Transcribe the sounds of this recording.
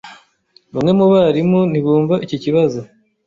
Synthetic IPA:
βamŋe̞muβaɾimuniβuːɱvaʔiciciβazo

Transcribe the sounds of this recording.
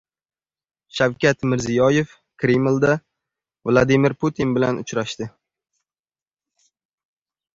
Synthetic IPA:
ʃawkʲat̪mɪɾzijɒje̞f | kʰɾemlˠd̪a | vlˠad̪imɪɾpʰut̪ʰinbɪlanʊ̰t͡ʃɾaʃt̪ɪ

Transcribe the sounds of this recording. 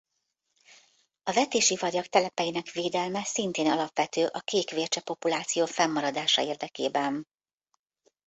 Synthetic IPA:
ɒvɛt̪eːʃivɒɾjɒkt̪ɛlɛpɛjinɛkʋeːd̪ɛlmɛsint̪eːnɒlɒpʋɛt̪øːʔɒkeːkʋeːrt͡ʃɛpo̞pulaːt̪sijoːfɛmːɒɾɒd̪aːʃɒ̰eːrd̪ɛkḛːbɛn

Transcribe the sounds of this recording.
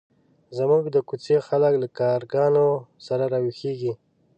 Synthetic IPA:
zamuɡd̪əkut͡sexaləklakɑɾɡɑnosaɾaɾɑwixeɡi

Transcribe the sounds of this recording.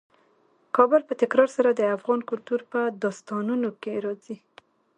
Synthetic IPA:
kɑbʊlpət̪ɪkɾɑɾsaɾad̪əafɣɑnkʊlt̪uɾpəd̪ɑst̪ɑnunokeɾɑzi

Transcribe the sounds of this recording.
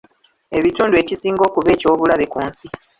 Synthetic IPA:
e̞βituːndue̞ːcisiːŋɡo̞ːkuβe̞ːco̞ːβulaβekuːnsi

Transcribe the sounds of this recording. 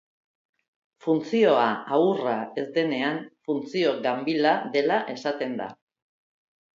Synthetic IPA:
funt͡sio̞aaurae̞zd̪e̞ne̞anfunt͡sio̞ɡambilaðe̞laʔe̞sat̪e̞nd̪a̰

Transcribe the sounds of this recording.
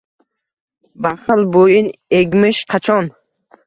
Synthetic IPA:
baχəlbojineɡmɨʃqʰat͡ʃʰɔn

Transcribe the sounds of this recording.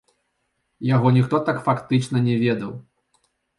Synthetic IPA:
jaɣɔnʲixt̪ɔt̪akfakt̪ɨt͡ʂnɐnʲɛvʲɛd̪ɐw

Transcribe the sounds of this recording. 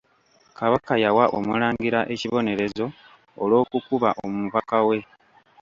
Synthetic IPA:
kaβakajawaʔo̞̰mulaːŋɡiɾaʔe̞ciβo̞ne̞ɾe̞zo̞ː | lo̞ːkukuβaʔommuβakawe̞

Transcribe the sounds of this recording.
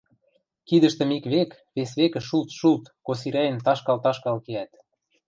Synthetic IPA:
kid̪ə̆ʃt̪ə̆mikβek | βesβekə̆ʃult̪ʃult̪kos̬iɾæjə̆nt̪ɑʃkɑlt̪ɑʃkɑlkeæt̪

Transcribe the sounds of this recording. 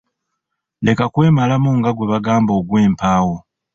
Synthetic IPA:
le̞kakwe̞ːmalamuŋɡaɡwe̞βaɡaːmbo̞ːɡwe̞ːmpaːwo

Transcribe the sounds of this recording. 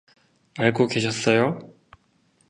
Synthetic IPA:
aɭɡokeɕʰʌs͈ʌjo

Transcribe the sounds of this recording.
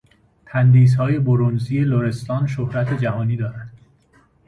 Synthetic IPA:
t̪ʰænd̪iːshɒːje̞boɾonziːe̞loɾe̞st̪ɒːnʃohɾæt̪ʰe̞d͡ʒæhɒːniːd̪ɒːɾænd̪̥

